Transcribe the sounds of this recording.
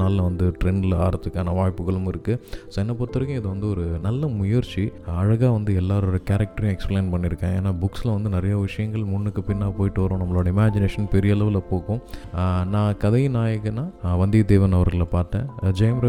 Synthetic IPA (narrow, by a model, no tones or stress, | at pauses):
aːllɐʋɐnd̪ɯʈɾɛnla̰ːɾɐt̪ːɯkːaːnɐʋaːjpːɯɣɐɭɯmɪɾɯkːɯsoːɛnːɐpɐɾt̪ːɯɾɯkːjʊ̃ɪðɐʋɐnd̪ɯɔɾɯnɐlːɐmʊjɐɾt͡ʃiɐɻɐɣaːʋɐnd̪ɯɛlːaːɾoːɽɐkaːɾɐk̚ʈɐɾjɐ̃ɛkspleːnpɐɳːɪɾɯkːẽːeːnːaːbʊkslɐʋɐnd̪ɯnɪɾɐjaːʋɪʂɐjɐŋɡɐɭmʊɳːɯkːɯpɪnːaːpoːjɪʈːɯʋɐɾõːnɐmːɐɭoːɽɐɪmaːd͡ʒɪneːʂɐnpɛɾɪjɐlɐʋɪlɐpoːkʊ̃nãːkɐðɐjnaːjɐɣɯnãːʋɐnd̪id̪eːʋɐnɐʋɐɾɣɐɭpaːɾʈ̪ːẽːd͡ʒɐjɐmɾɐ